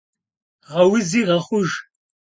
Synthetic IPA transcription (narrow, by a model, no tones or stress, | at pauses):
ʁɐwɪziːʁɐχʷʊʒ